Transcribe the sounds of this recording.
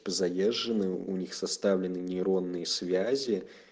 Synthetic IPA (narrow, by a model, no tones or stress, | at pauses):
pɐzajɛʐːɨnɨunʲixsast̪awlʲɪnɨnʲiɾɔnːɨjɐsʲvʲazʲi